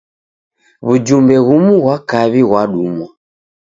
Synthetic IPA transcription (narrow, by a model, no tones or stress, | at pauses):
βud͡ʒumbɛɣumuɣwakaβiɣwaɗumɔ